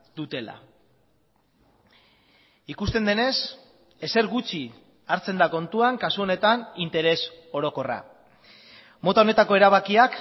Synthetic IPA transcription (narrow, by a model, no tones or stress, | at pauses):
d̪ut̪e̞la̰ | ikust̪e̞nd̪e̞ne̞s | e̞se̞ɾɣut͡ʃi | aɾt͡se̞nd̪ako̞nt̪uaŋkasuo̞ne̞t̪anint̪e̞ɾe̞so̞ɾo̞ko̞ra̰ | mo̞t̪ao̞ne̞t̪ako̞e̞ɾaβ̞akiak